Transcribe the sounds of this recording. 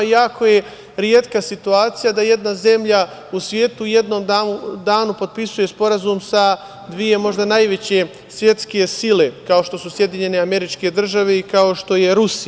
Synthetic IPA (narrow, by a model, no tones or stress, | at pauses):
jaːkʰo̞je̞ | ɾjeːt̪kasit̪uaːt̪sijad̪aje̞d̪naze̞mʎausʋje̞ːt̪uːje̞d̪no̞md̪aud̪aːnupo̞d̪̚pisuje̞spo̞ɾazumsa | d̪ʋije̞mo̞ʒd̪anajʋe̞t͡ɕe̞ | sʋje̞t̪ske̞sile̞kao̞ʃt̪o̞susje̞d̪iɲe̞ne̞ame̞ɾit͡ʃke̞d̪r̩ʒaʋe̞ikao̞ʃt̪o̞je̞ɾusi